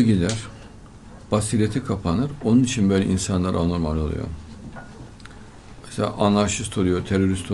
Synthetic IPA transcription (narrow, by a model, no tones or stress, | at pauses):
ɯɟid̪æɾ̥ | b̥asiɾʲet̪ʰikʰapʰanɯɾo̞nunit͡ʃʰinbøjlʲɛ̰insanlˠa̰ɾʔano̞ɾmalʲo̞lˠṵjo̞̰ | me̥selʲa̰ʔanlaɾʃist̪ʰo̞lˠujo̞t̪ʰeɾo̞ɾist̪ʰo